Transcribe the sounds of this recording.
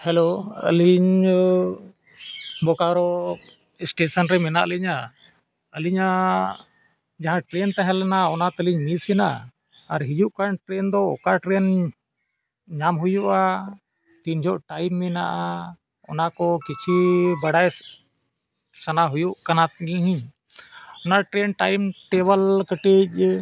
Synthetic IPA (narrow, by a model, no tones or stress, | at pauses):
hɛloə̰liɲ | bɔkaɾɔ | sʈesɔnɾɛmɛna̰ʔliɲa | əliɲa | d͡ʒaɦãʈɾent̪aɦɛlɛnaɔnat̪əliɲmisɛna̰ | aɾɦid͡ʒuʔkanʈɾend̪ɔɔ̰kaʈɾen | ɲamɦujuʔa | t̪iɲd͡ʒɔʔʈajmːɛna̰ʔa | ɔ̰nakɔkit͡ʃʰibaɽaj | sanaɦujuʔkanaɦiɲ | ɔnaʈɾenʈajmʈɛbəlkəʈic̚